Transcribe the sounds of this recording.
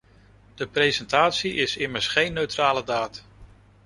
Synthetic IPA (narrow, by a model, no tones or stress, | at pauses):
d̥əprejzɛntaːtsiʔɪsɪməɹsχejnːøɥtraːlədaːt